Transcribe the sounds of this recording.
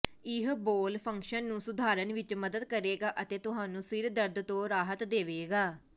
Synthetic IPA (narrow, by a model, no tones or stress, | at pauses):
ɪɦboːlpʰəŋkʃənːũːsʊd̪aːɾənʋɪt͡ʃməd̪əd̪kəɾeːɡaːʔət̪eːt̪ʊɦãːnũːsɪɾd̪əɾd̪t̪õːɾaːɦət̪d̪eːʋeːɡaː